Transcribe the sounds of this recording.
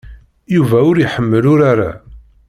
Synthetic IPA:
juvæʊɾiħəmːəlʊɾaɾa̰

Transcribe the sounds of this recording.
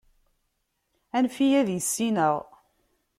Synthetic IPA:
ænfijæðjəsːinəʁ

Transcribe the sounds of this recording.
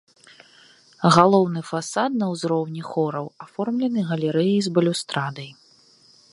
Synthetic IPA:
ɣalˠɔwnɨfasat̪̚nɐwzɾɔwnʲixɔɾɐwafɔrmlʲɛnɨɣɐlʲɛɾɛjijzbɐlʲust̪ɾad̪ɐj

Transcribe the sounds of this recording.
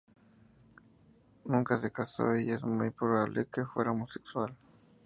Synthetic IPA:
nũŋkasekaso̰iezmujpɾoβaβlʔḛkefwḛɾaomosekswal

